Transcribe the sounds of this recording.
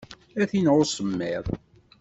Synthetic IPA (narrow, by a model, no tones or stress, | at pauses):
æθinʁʊsˤəmːɪðˤ